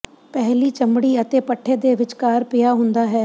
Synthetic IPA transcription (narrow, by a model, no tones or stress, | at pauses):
pɛɦlit͡ʃɐmɽiɐt̪eːpɐʈʰːed̪eːʋɪt͡ʃkaːɾpɪjaɦʊ̃nd̪aɦɛː